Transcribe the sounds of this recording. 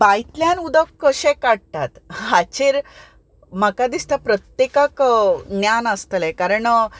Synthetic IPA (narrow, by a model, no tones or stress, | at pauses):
bajt̪ljanud̪əkːəɕẽkaɽt̪at̪ɦat͡ɕeɾ | makad̪ist̪apɾət̪jekaknjanəst̪əlɛ̃kaɾəɳ